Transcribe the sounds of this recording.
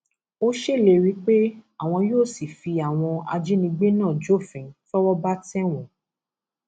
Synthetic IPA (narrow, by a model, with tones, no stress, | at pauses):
o˦ʃe˦˨le˦˨ɾi˦k͡pe˦a˦˨w̃ɔ̃˧joː˦˨si˨fi˧a˨w̃ɔ̃˧a̰˧d͡ʒi˦nĩ˧ɡ͡be˦nãː˦˨d͡ʒo˦˨fĩ˨n˦fɔ˦wɔ˦ba˦tɛ˦wɔ̃˨˦